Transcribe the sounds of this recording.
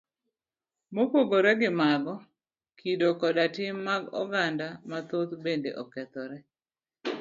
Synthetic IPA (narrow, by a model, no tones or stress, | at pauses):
mopoɡoɾɛɡɪmaɡɔ | kʰidokɔdatɪmːaɡɔ̰ɡandamat̪ot̪bendḛʔɔkɛt̪ɔɾɛ